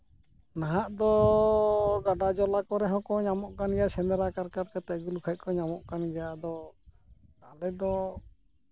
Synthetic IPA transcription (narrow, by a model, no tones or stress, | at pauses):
naɦaʔd̪ɔ | ɡaɖad͡ʒɔlakɔɾɛɦɔ̃kɔɲamɔʔkanɡɛjasɛnd̪ɛɾakaɾkaɾkat̪ɛʔɡulukʰac̪̚ˀkɔɲamɔʔkanɡɛjad̪ɔ | alɛd̪ɔ